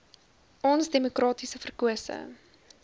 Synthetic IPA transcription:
ɔnsdemukrɑːtisəfərkuəsə̰ŋ

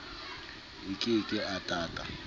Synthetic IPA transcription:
ɪkʼɪkʼɪʔatʼaːtʼa̰

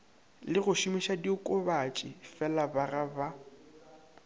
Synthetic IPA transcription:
lɪɣʊʃimiʃadiʊkʼʊbat͡ʃʼɪfɛlabaraba

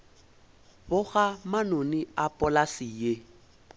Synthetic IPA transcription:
bʊɣamanoniapʼɔlasije

